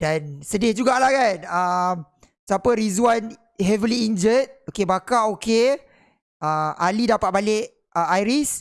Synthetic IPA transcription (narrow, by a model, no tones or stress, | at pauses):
dansədɪhd͡ʒuɡaʔlahkanəm | sapəɾizuan | hɛvəliːnd͡ʒət̪̚okebakaoke | əalidapat̪̚balɪʔ | əajɾis